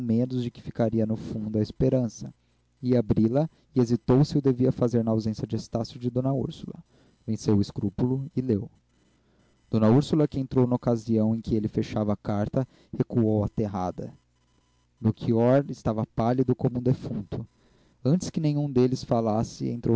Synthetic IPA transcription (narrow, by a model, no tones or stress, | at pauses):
mẽnʊzd͡ʒɪkɪ̥fikaɾiɐnʊfũnd̪ʊɐɪspeɾɐ̃sɐ | iabɾilɐ | ɪezit̪owsɪʊd̪eviɐfazeɾnɐawzẽsjɐd͡ʒɪest̪asjʊd͡ʒɪd̪õnɐṵɾsulɐ̰ | vẽsewʊɪskɾupulʊɪlew | d̪̥õnɐuɾsulɐkɪẽnt̪ɾownɐokaziɐ̃w̃ẽj̃kɪelɪfeʃavɐakaɾt̪ɐ | hekuowɐt̪eɦad̪ɐ̰ | nokʰiɔɾɪst̪avɐpalid̪ʊkõmʊũd̪efũnt̪ʊ | ɐ̃nt͡ʃɪ̥skɪnẽɲ̃ũd̪elɪsfalasɪḛ̃nt̪ɾo